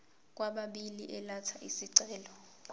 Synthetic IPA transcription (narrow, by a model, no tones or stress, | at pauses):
k̬ʼwaɓaɓiliʔɛlatʰaʔisiǀɛːlɔ